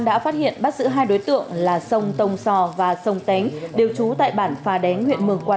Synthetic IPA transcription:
nɗa̰ː˧˥faː˦˥t̚hḭ˧˨ənɓa˦˥t̚zɨ̰˧˥ɦaː˧jɗo˨˦jt̪ɨ̰˧˨əŋlaː˨˩sə˧wŋ͡mt̪ə˧wŋ͡msɔ˧vaː˨˩sə˧wŋ͡mt̪a˨˦ŋ̟ɗe˨˩wt͡ɕu˨˦t̪a̰ː˧˨jɓaː˧˩nfaː˨˩ɗɛ˨˦nhwḭ˧˨ənmɨ˨˩əŋkwaː˧

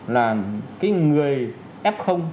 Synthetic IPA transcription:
laː˨˩kaː˨˦jŋɨ˨˩əj | ʔɛ˦˥p̚xə˧wŋ͡m

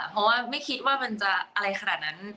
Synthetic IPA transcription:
pʰɔ˦˥waː˥˩ma˥˩jkʰi˦˥t̪̚waː˥˩ma˧nt͡ɕa˨˩ʔa˧ɾa˧jxʰa˧na̰ː˨˩t̪̚na˦˥n

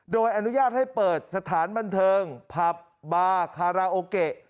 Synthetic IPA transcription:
doː˧jʔa˧nu˦˥jaː˥˩t̪̚ha˥˩jpɤː˨˩t̪̚sa˧t̪ʰaː˩˦nba˧nt̪ʰɤː˧ŋpʰa˨˩p̚ | baː˧kʰaː˧ɾaː˧ʔoː˧ke˨˩ʔ

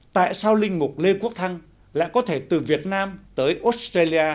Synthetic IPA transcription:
t̪a̰ː˧˨jsaː˧wlï˧ŋ̟mʊ˨˩k͡p̚le˧ku˦˥ək̚t̪ʰa˧ŋ | la̰ː˧˨jkɔ˨˦t̪ʰe˧˩t̪ɨ˨˩vi˨˩ət̚naː˧mt̪əː˨˦jʔo˦˥t̚stra˧li˧ʔaː˧

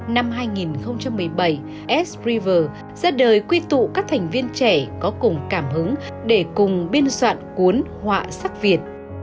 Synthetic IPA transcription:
na˧mɦaː˧jŋi˨˩nxə˧wŋ͡mt͡ɕa˧mːɨ˨˩əjɓə˧˩j | ʔɛ˦˥sɹi˧vəː˨˩ | z̥aː˧ɗəː˨˩jkwi˧t̪ṵ˧˨kaː˦˥k̚t̪ʰa˨˩jŋ̟vi˧ənt͡ɕɛ˧˩kɔ˨˦kʊ˨˩ŋ͡mkaː˧˩mɦɨ˨˦ŋ | ɗe˧˩kʊ˨˩ŋ͡mɓi˧ənswa̰ː˧˨nkwu˨˦ənhwa̰ː˧˨sa˦˥k̚vi˨˩ət̚

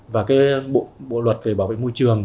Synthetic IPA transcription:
vaː˨˩kaː˨˦jɓo̰˧˨ɓo̰˧˨lwə˨˩t̚ve˨˩ɓaː˨˦˩wvḛ˧˨jmo˧jt͡ɕɨ˨˩əŋ

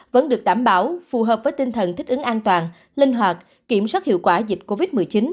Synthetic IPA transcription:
və̰˧˦˥nɗɨ˨˩ək̚ɗaː˧˩mɓaː˧˩˦wfu˨˩ɦəː˨˩p̚vəː˨˦jt̪i˧ŋt̪ʰə˨˩nt̪ʰi˦˥k̟̚ɨ˨˦ŋʔaː˧nt̪waː˨˩n | lï˧ŋ̟ɦwaː˨˩t̚ | ki˧˩əmswaː˦˥t̚hḭ˧əwkwaː˧˩zi˨˩t̟̚ko˧vi˦˥t̚mɨ˨˩əjt͡ɕi˨˦n

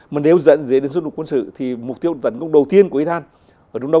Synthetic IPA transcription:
ma˨˩ne˨˧˦wzə̰˧˥nzə˨˦ɗe˨˦nsw̚u˨˩kwə˧nsɨ̰˧˨t̪ʰi˨˩mʊ˨˩k̚t̪i˧əwt̪ə˨˧˩nkə˧wŋ͡mɗə˨˩wt̪i˧ənkʔi˧t̪aː˧n | ʔʔəː˧˩t͡ɕa˧wŋ͡mɗə˧

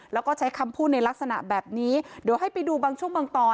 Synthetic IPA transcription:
lɛː˦˥wkɔː˥˩t͡ɕʰa˦˥jkʰa˧mpʰuː˥˩t̪̚na˧jla˦˥k̚sa˧na̰˨˩bɛː˨˩p̚niː˦˥di˩əwhɦa˥˩jpa˧jduː˧baː˧ŋt͡ɕʰu˥˩əŋmɯ˧əŋt̪ɔː˧

